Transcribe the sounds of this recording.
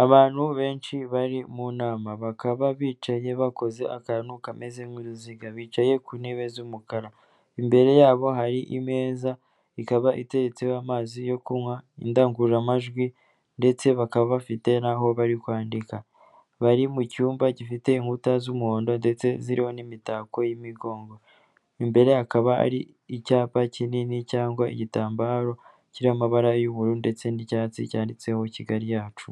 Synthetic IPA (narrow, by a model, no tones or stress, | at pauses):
aβaːn̥huβe̞ːnt͡ʃiβaɾimunaːmaβakaβaβiːt͡ʃaje̞βako̞ze̞ʔakaɾanukame̞zemwiɾuziɡaβiːt͡ʃaje̞kuniβe̞zumukaɾa | imbe̞ɾe̞jaːβo̞ɦaɾiʔime̞ːza | ikaβaʔite̞ɾe̞t͡seoamaːzijo̞kumŋwaḭndaːŋɡuɾamaʒɡwi | nde̞t͡se̞βakaβaβafite̞naɦo̞βaɾikwaːndika | βaɾimucuːmbaɟifite̞iŋɡutazumuhoːndo̞nde̞t͡se̞ziɾiho̞nimitako̞jimiɡo̞ːŋɡo̞ | imbe̞ɾe̞akaβaa̰ɾi | icaːpacininicaːŋɡwaḭɟitaːmbaɾo̞ | ciɾiamaβaɾajuβuɾunde̞t͡se̞nicaːt͡sḭcaːndit͡se̞ho̞ciɡaɾijaːt͡ʃu